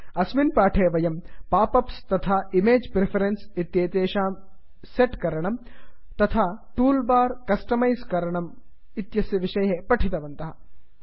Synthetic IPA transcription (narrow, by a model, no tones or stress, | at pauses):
ɐsminpaːʈʰeːʋɐjɐmpaːpɐpst̪ɐt̪ʰaːimeːd͡ʒpɾepʰɐɾensit̪jeːt̪eːʃaːm | seʈkɐɾɐɳɐm | t̪ɐt̪ʰaːʈuːlbaːɾkɐsʈɐmɐjskɐɾɐɳɐm | it̪jɐsjɐʋiʃɐjɦepɐʈʰit̪ɐʋɐnt̪ɐɦɐ